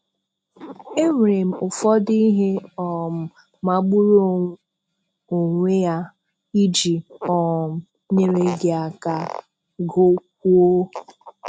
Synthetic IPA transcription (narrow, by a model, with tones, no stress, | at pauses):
e˦m˨ɾe˨m̩˨ʊ˨fɔ˦di˦ɦe˦ɔ˨m̩˨ | ma˦ɡ͡bu˦ɾo˦˨ | o˨ŋʷe˦ja˦ | i˦d͡ʒi˨ɔ˦˨m̩˨ | ɲe˨ɾe˦ɡe˨a˨ka˨ | ɡo˦k̚ʷu˦o˦